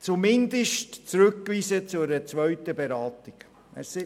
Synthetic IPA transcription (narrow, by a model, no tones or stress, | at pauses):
t͡sumɪnd̪əʃtt͡sɾɵkːʋiːsət͡sʊɾət͡sʋœɥtəbɛɾɑːtiɡ̥ | ɛ̰ss